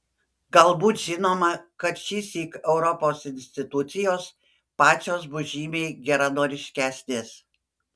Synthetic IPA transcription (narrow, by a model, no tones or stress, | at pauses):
ɡɐlˠbuːt̪ʒʲɪnoːmɐkɐt̪ʃʲiːsʲiːkɛʊɾɔpoːsɪnʲsʲt̪ʲɪt̪ʊt̪sʲɪjoːs | pɑːt͡ʃʲoːs̬bʊʒʲiːmʲeːɡʲɛɾɐnoːɾʲɪʃʲkʲæːsʲnʲeːs